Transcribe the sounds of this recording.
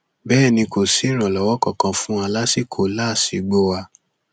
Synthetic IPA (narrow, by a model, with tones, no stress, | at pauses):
bɛː˦˨nĩ˧ko˨si˨˦ɾ̃ã˨lɔ˨wɔ˦kɔ˦˨kã˧fũ˦a˧la˦si˦˨kʰo˨la˦˨si˧˨ɡ͡bo˦wa˧